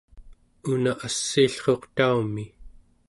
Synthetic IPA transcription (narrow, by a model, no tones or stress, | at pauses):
unaʔasːiːɬχo̞qt̪aumi